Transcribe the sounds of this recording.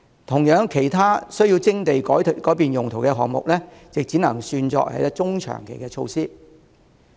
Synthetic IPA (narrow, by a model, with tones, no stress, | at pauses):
t̪ʰʊ˨˩ŋjœː˨˥ŋkʰe˨˩jt̪ʰaː˥sɵ˥ɥji˧wt͡sɪ˥ŋt̪e˨jkɔː˨˥jtkɔː˨˥piː˨njʊ˨ŋt̪ʰo˨˩wkɛː˧ɦɔ̰ː˨˩ŋ̚mʊ̰˨k̚lɛː˥t͡sɪ˨k̚t͡siː˨˥nɐ̰˨˩ŋsyː˧nt͡sɔ̰ː˧k̚hɐ̰˨˥jt̪ɐ˥t͡sʊ˥ŋt͡ʃʰœ̰ː˨˩ŋkʰe˨˩jkɛː˧t͡ʃʰo˧wsiː˥